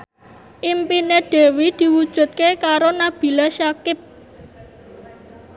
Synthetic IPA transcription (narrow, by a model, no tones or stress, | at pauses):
ʔimpineɖ̥e̤wid̪̥i̤wud̥ʒ̥ṳt̪̚kekaɾonab̥i̤laʃakɪp̚